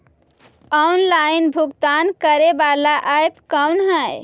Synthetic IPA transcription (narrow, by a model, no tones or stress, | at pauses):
ɔnlainbʱuɡt̪ankəɾebalaʔajpkəwnɦə̃j